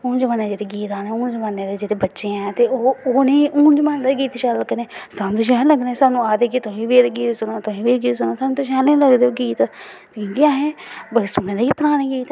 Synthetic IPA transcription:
õːnd͡ʒəmaːneːd͡ʒeːɽeːɡiːt̪aːnẽũːnd͡ʒəmaːnːeːd̪eːd͡ʒeːɽeːbətːʃẽːɛ̃ːt̪eːoːoːneːʔuːnd͡ʒəmaːnːd̪eɡiːt̪ʃɛːəkəneːsanũt̪oʃɛːləɡd̪ẽːsaːnũːaːd̪eːk̬it̪ʊɦĩːʋeːɾɡiːt̪sʊnãːt̪ʊɦĩːʋeːɾɡiːt̪sʊnoːsaːnũt̪ʊʃɛːlẽləɡd̪eːoːɡiːt̪ː | kõːkiãːɦẽːbəsʊnẽːd̪eːkiːpəɾaːnẽːɡiːt̪

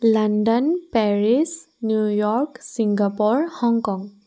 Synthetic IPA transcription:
landɔnpɛɹis | njujɔɹksiŋɡapɔɹhɔŋkɔŋ

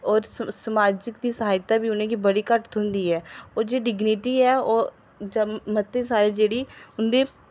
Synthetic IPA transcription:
ɔːɾsəmaːd͡ʒɪkd̪iːsəɦaːjt̪aːbiːʊnẽːkiːbəɽiːkəʈt̪ʊnd̪iːɛːoːd͡ʒeːɖɪɡnɪʈiːɛːoː | d͡ʒmət̪ːẽːsaːɾeːd͡ʒeːɽiːʊnd̪eː

